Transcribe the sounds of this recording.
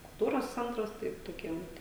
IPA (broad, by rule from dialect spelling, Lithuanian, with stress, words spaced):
kʊlˠˈtuːroːs ˈt͡sʲɛntrɐs ˈtɐɪp toːˈkʲiɛm